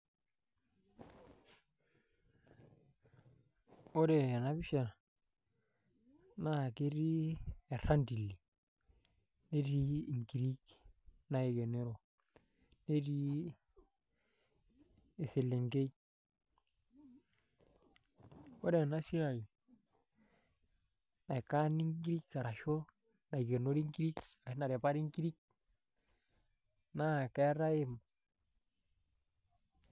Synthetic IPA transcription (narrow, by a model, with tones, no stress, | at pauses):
o˦ɾe˨a˨na˨˦βi˦ʃa˨ | na˦˨ke˦ɾi˦e˨ɾa˦ndi˨lːi˨ | ne˦ɾi˦i˨ŋɡi˨ɾi˦kna˦e˨ɡe˨ne˦ɾo˨ | ne˦di˦ | e˨si˨le˨ŋɡe˦i˦ | wo̰˦de˨na˦si˦a˨j | na˨ka˦ni˦ŋɡi˦ɾi˦kka˨ɾa˨ʃo˦ | na˨i˨ɡe˨no˦ɾi˦ŋki˦ɾi˦k | a˨˦na˨ɾe˨pa˦ɾi˦ŋki˦ɾi˦k̚ | na˦˨ke˦ɾa˦i˦m